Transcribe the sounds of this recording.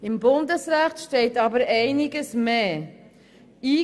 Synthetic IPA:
ɪmbʊndəsɾæχtʃtɛɪtɑbəɾɛɪnɪɡəsmeː | iː

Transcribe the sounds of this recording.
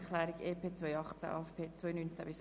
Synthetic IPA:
kʰlɛːɾiɡeːpʰeːt͡svœjɑχt͡sæ̰ʔɑ̰ɛfpʰeːt͡svɔjnynt͡sæbɪs

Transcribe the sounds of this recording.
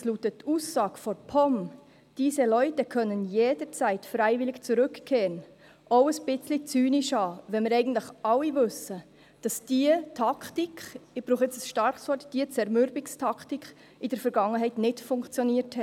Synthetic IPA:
sluːtətʰːuːsːɑːɡfɔɾpʰɔm | d̥iːsəlœʏtəkʰœnənjeːd̥əɾt͡sɛɪtfɾɛɪvɪlɪkt͡suɾɵkkʰːeːɾən | ʔoʊəsb̥ɪt͡slit͡syːniʃɑːʋɛnmɪɾɛɪɡən̩tlɪχɑlːivɵsə | d̥ɑsd̥iətʰɑktikχɪb̥ɾuːχɪt͡səsʃtɑɾχsɔtd̥iət͡sɛɾmʏɾbɪkstʰɑktikχ | ɪd̥əɾfɛɾɡ̥ɑŋːəɦɛɪtnɪtfʊŋkt͡sjɔniːəɾthɛ

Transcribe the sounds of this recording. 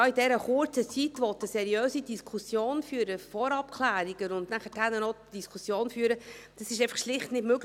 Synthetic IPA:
ɑidɛɾəχʊrt͡sət͡sit̪ʋɔt̪əsɛɾiœːsidiskʰusjoːnfyːɾəfɔɾɑp̚kʰlæːɾiɡ̥ənʊndnæχəthænənɔd̥iskʰusjoːnfyːɾəd̥ɑsɪʃ̬ɛɪfɑχʃlɪχtnɪdmøɡ

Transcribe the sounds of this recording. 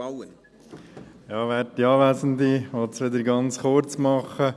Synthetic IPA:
aə | jɑːʋɛːttiɑːʋæːsənd̪iʋɔt̪sʋɪd̪əɾɡɑnt͡sχʊɾt͡smɑχə

